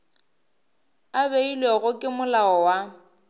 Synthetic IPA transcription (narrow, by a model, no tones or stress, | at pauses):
abeileɣʊkʼɪmʊlaɔwa